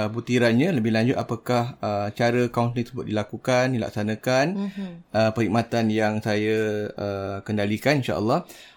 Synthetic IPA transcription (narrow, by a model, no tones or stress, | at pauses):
but̪iɾanɲãləbɪlaɲd͡ʒʊt̪apakahət͡ʃaɾəkawnt̪ĩt̪əsəbʊt̪̚dilakukandila̰k̚sanə̃kanəpəɾhik̚mat̪anjaŋsajaəkəndalikaninʃa̰ʔə̰lːɑh